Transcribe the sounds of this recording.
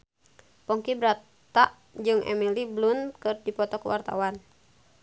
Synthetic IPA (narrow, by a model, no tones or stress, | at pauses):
pɔŋkibɾa | t̪aʔ | d͡ʒɨŋʔɛ̰miliblunkɨrdipɔt̪ɔkuwa̰rt̪a̰wan